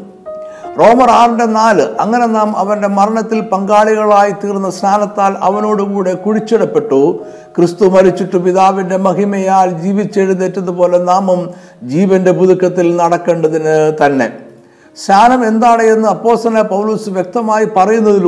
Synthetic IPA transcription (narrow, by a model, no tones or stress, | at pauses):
ro̞ːmɐraːrinde̞naːlɨʔɐŋːɐne̞naːmɐʋɐnde̞mɐɾɐɳɐt̪ːilpɐŋɡaːɭiɣɐɭaːjit̪iːrnːɐst̪ʰaːnɐt̪ːaːlɐ̰ʋɐno̞ːɽukuːɽe̞kuɻit͡ɕːiɽɐpːe̞ʈːu | krist̪umɐɾit͡ɕːiʈːupiðaːʋinde̞mɐɦimɐjaːld͡ʑiːʋit͡ɕːeːɻunːetːɐnðupo̞ːle̞naːmum | d͡ʑiːʋɐnde̞buðukːɐt̪ːilnɐɽɐkːe̞ːɳɖɐðinɨt̪ɐnːe̞̰ | st̪ʰaːnɐme̞nd̪aːɽejenːɨɐpːo̞ːst̪ɾɐnɐpɐwluːsɨʋjek̚t̪ɐmaːjipɐrɐjunːɐðil